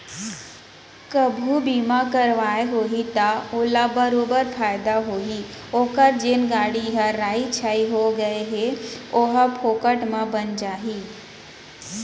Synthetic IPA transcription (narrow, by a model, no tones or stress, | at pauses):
kəbʱubiːmakəɾʋaːeɦoːɦit̪aoːlabəɾoːbəɾpʰaːjɪd̪aɦoːɦioːkəɾd͡ʒenɡaːɽiɦəɾaːit͡ʃʰaiɦoɡɐeɦeoɦpʰoːkəʈmãbənd͡ʒaːɦiː